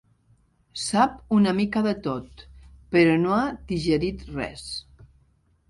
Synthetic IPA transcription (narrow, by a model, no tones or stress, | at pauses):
sapunəmikaðət̪ot̪pəɾɔnoad̪iʒəɾit̪rɛ̰s